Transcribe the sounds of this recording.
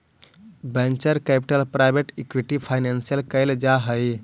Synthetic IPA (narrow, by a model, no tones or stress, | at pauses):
bɛ̃nt͡ʃəɾkɛpiʈəlpɾajbeʈekʋiʈipʰajnɛnsijəlkəjld͡ʒaɦəj